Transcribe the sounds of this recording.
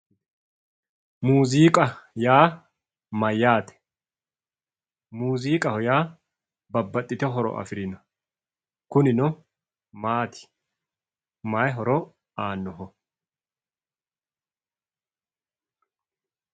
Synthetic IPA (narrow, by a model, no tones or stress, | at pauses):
muːziːkʼɐjaː | mɐjːaːt̪ɛ̥ | muːziːkʼɐhɔjaː | bɐbːɐt̪ʼːɪt̪ɛɦɔɾɔ̰ʔɐ̰fɪɾɪnɔ | kʊnɪnɔ | maːt̪ʰɪ̥ | maːjɦɔɾɔ | aːnːɔɦɔ